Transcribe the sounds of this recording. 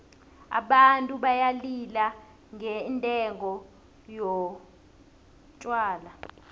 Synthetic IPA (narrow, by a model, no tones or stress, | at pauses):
a̰ɓantʼuɓajalila | ŋʱɛntʼɛŋɔ | jɔ | t͡ʃʼwaːla